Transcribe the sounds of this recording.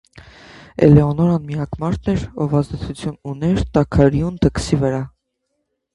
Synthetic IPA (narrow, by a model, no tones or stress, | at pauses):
ɛ̰lɛɔnɔɾɑnmiɑkmɑɾt̪ʰnɛɾɔvɑzd̪ɛt͡sʰut͡sʰjununɛɾt̪ɑkʰɑɾjund̪ʰəksivəɾɑ